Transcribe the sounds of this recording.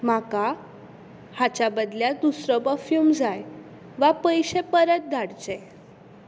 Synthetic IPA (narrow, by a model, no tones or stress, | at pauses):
maka | hat͡ɕabəd̪ljad̪usɾəbəfjumd͡zaj | ʋapəjɕepəɾət̪̚d̪ʱaɽd͡ʑe